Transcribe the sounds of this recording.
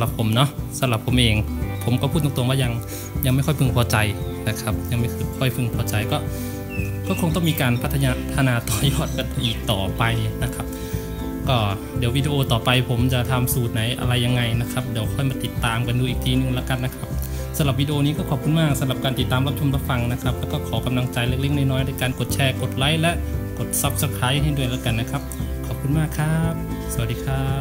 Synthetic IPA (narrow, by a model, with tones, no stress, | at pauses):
la˨˩pʰːo˩˦mnɔ˦˥ʔsa˧˦mla˨˩pʰo˨˦mʔeː˧ŋpʰo˩˦mpkɔː˧˩pʰuː˥˩t̪̚ɔ˧˦t̪u˧˦waː˧˥˨ja˧ŋ | ja˧ŋma˧˥˩jkʰɔ˥˩˨fʰɯ˧ŋpʰɔː˧t͡ɕa˨˧jna˧˩kʰa˧p̚ja˧ŋma˧˩kʰɯ˧˩kʰɔ˧˩jpʰɯ˧˩ŋpʰɔː˧t͡ɕa˨˧jkɔː˧˥˩ | kɔː˧˩kʰo˧ŋt̪ɔ˥˩ŋmiː˧kaː˨npʰa˦˥t̪ʰːɲaː˧t̪ʰa˧naː˧t̪ɔː˨˧˩jɔː˥˩t̪̚ka˨˧n˧ʔiː˨˩k̚t̪ɔː˨˩pa˧jni˧na˦˧˥kʰa˦˧˥p̚ | kɔː˧˩ | di˨˩˦əwiː˧diː˧ʔoː˧t̪ɔː˨˩pa˧jpʰo˨˦mt͡ɕa˨˧˩t̪ʰa˧msuː˨˩t̪̚na˨˦jʔa̰˧ɾa˧jːa˧ŋːa˧˩jna˧˥kʰa˦˧p̚di˨˦əwkʰɔː˧˥˩jmaː˧t̪i˧˦t̪ːaː˨mka˧nduː˧ʔiː˨˩k̚t̪ʰiː˧nɯ˧˨ŋlaː˧˩ka˧˨nːa˧˥kʰa˦˧˥p̚ | sa˧mla˨˩p̚wiː˧di˧ʔoː˧niː˧˥kɔː˧˩kʰɔː˨˩p̚ku˧nmaː˧˥˩k̚sa˧˦mla˨˩p̚kaː˧nt̪i˨˩t̪ːaː˨mla˦˥p̚t̪ʰo˧mpla˧˥fa˧ŋna˧˥kʰa˦˥p̚lɛː˧˥˩kɔː˧˩kʰɔː˩˦ka˧mla˧ŋt͡ɕa˨˧jle˧˩k̚le˧˥˩ŋ̚naː˧˩jnɔː˧˥jdaː˧˩˨jkaː˨nko˨˩t̪̚t͡ɕʰɛː˧ko˨˩t̪̚la˧˥˨jlɛ˧˥ʔko˨˩t̪̚sa˧˥p̚sa˧˥kʰaː˨˦˥jha˧˩jdu˧˩ə˨jlaː˧˩ka˨nːa˧kʰa˦˧˥p̚ | kʰɔː˨˩p̚kʰu˧nmaː˧˥˩kʰaː˧˥p̚sa˧a˩t̚diː˧kʰaː˧˥˩